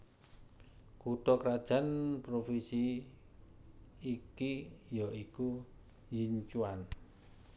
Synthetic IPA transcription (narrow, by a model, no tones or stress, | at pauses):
kuʈɔkɾad̥ʒ̥a̤npɾofisi | kijaiku | jiɲt͡ʃuan